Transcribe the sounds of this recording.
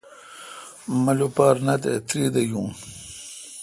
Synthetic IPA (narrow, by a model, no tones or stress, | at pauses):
mɐlupaːɾnat̪ḛt̪ɾid̪ɐjũːn